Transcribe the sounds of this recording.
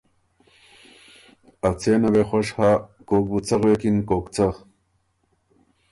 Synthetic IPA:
ɐwt͡sʰeːnɐwexoʂhaːkoːk̚but͡sɐɣwekinkoːkt͡sɐ

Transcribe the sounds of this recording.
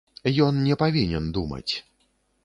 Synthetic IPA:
jɔnnʲɛpavʲinʲɛnd̪umɐ̰t͡sʲ

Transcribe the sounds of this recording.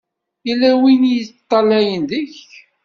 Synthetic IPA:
jəlːæwinijət͡st̪ˤːɑlæjənðəç

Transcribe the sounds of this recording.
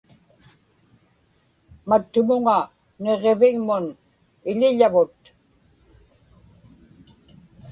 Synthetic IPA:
mat̪ːʊmʊŋa | ne̞ʁevɪɣmʊn | ɪʎɪʎavʊt̪

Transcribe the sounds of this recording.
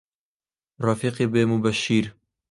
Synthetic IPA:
rɑfiːqebeːmubɛʃiːɾ

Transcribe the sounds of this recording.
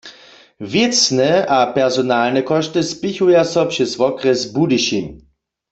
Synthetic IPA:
vjɛt͡snɛʔapɛʁzɔnalnɛkɔʃtɪspɪçujasɔpʂɛzvɔkʁɛzbudiʃim

